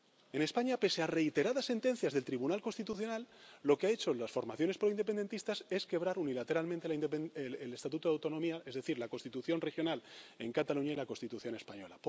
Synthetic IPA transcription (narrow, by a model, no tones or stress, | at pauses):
e̞ne̞spaɲape̞seare̞it̪e̞ɾaðasːe̞nt̪e̞n̟θjazðet̪ɾiβ̞unalko̞nst̪it̪uθjo̞nalːo̞keae̞t͡ʃo̞lasfo̞ɾmaθjo̞ne̞spɾoinepe̞nd̪e̞nt̪ist̪ase̞ske̞β̞ɾaɾunilat̪e̞ɾalmẽnt̪elpelest̪at̪ut̪oðawt̪o̞nõ̞miae̞zðeθiɾlako̞nst̪it̪uθjo̞nre̞xjo̞nale̞ŋkat̪aluɲailako̞nst̪it̪uθjo̞ne̞spaɲo̞̰lap